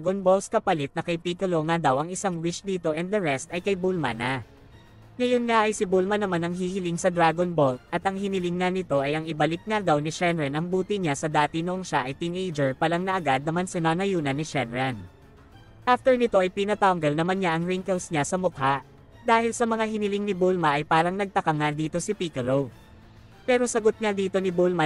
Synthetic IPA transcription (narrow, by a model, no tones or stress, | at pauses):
ɡonbolskɐpɐlɪt̪̚nɐkɐjpikʊlo̞ŋad̪ɐwʔɐŋɪsaŋwɪt͡ʃd̪iːt̪o̞ʔɛnd̪d̪ɐɹɛst̪ɐjkɐjbulma̰na | ŋɐjonŋaʔɐjsɪbulmɐnɐmanɐŋhihɪlɪŋsɐd̪ɾaːɡonbolt̪̚ʔɐt̪ʔɐŋhɪnɪlɪŋːanɪt̪o̞ʔɐjʔɐŋɪbɐlɪk̚ŋad̪ɐwnɪʃɛnɹɛnʔɐŋbuːt̪ɪɲasɐd̪aːt̪ɪnoʔoŋʃaʔɐjt̪inejd͡ʒɛɹpɐlɐŋnɐʔɐɡad̪̚nɐmansɪnaːnɐjuːnɐnːɪʃɛnɹɛn | ʔaft̪ɛɹnɪt̪o̞ʔɐjpinɐt̪awŋɡɛlnɐmanɲaʔɐŋɹɪŋkɛlsɲasɐmʊk̪̚haʔ | d̪aːhɪlsɐmɐŋaɦɪnɪlɪŋnɪbulmɐʔɐjpaːɾɐŋnɐɡ̚t̪ɐkɐŋad̪iːt̪o̞sɪpikɐlow | pɛːɾo̞sɐɡot̪̚ŋad̪iːt̪o̞nɪbulmɐ